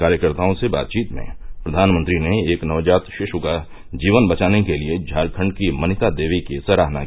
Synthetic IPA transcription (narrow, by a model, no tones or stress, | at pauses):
aːɾjəkəɾt̪aːõseba̰ːt̪̚t͡ʃiːt̪mḛ̃pɾɐd̪ʱaːnmə̃nt̪ɾineeːknɐʋd͡ʒaːt̪ʃɪʃʊka | d͡ʒiːʋənbɐt͡ʃaːnekelied͡ʒʱaːlkʰə̃ɳɖkimɐnɪt̪ad̪eːʋikesɐɾaːɦna